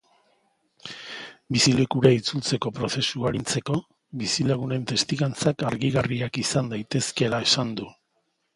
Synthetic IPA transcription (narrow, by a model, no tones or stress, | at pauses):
bisile̞kuɾait͡sult͡se̞ko̞pɾo̞se̞suaɾint͡se̞ko̞ | βisilaɣ̞une̞nt̪e̞st̪iɣant͡sakaɾɣiɣariakisand̪ajt̪e̞ske̞lae̞sand̪u